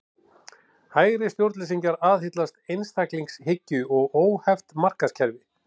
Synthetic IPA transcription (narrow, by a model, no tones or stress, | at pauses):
haːjɾɪst̪jowɾt̪lɛsiɲcaɾaːðɦɪt̪last̪ejnst̪ʰakliŋkshɪcːʏɔɣoːwhɛft̪mar̥kascʰɛɾvɪ